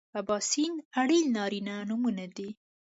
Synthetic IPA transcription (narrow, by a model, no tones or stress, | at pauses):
abɑsinaɽilnɑɾinanumunad̪i